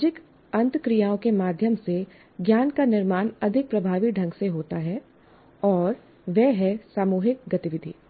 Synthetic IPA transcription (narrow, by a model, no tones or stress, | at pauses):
d͡ʒɪk | ɐ̃nt̪kɾijaːõkemaːd̪ʱjəmse | ɡjaːnkanɪɾmaːnɐd̪ʱɪk̚pɾɐbʱaːʋiɖʱɐ̃ŋɡseɦoːt̪aɦɛː | ɔːɾ | ʋɛɦɛsaːmuːɦɪk̚ɡɐt̪ɪʋɪd̪ʱḭː